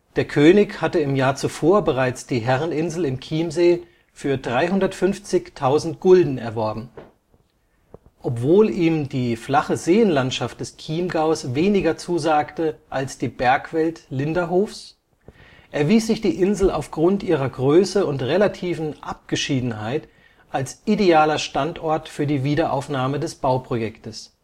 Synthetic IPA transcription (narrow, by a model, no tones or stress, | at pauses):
d̥eːɐkʰøːnɪçhatəɪmjaːɐt͡sufoːɐbəʁaɪt͡sd̥iːɦɛʁənɪnzl̩ɪmkʰiːmzeː | fyːɐdʁaɪɦʊndɐtfʏnft͡sɪçtʰaʊzn̩t̚ɡ̥ʊldn̩ɛ̰ɐvɔɐbm̩ | ʔɔpv̥oːliːmdiːflaχəzeːənlantʃaft̚d̥ɛskʰiːmɡaʊsveːnɪɡɐt͡suːzaːktəʔalsd̥iːbɛɐkv̥ɛltlɪndɐɦoːfs | ʔɛɐviːsz̥ɪçd̥iːʔɪnzl̩a̰ʊfɡ̥ʁʊntʔiːʁɐɡʁøːsəʊntʁelatʰiːfn̩ʔap̚ɡ̥əʃiːdn̩ɦaɪt | ʔalsʔideaːlɐʃtantʔɔɐtfyːɐdiːviːdɐʔa̰ʊfnaːmədɛsb̥aʊpʁ̥ojɛktəs